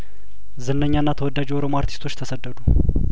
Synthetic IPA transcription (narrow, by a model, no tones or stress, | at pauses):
zɨnːəɲːanːat̪ʰəwɔd̪ːad͡ʒiwoɾomoaɾt̪ʰist̪ʰo̞t͡ʃːt̪ʰəsəd̪ːəd̪u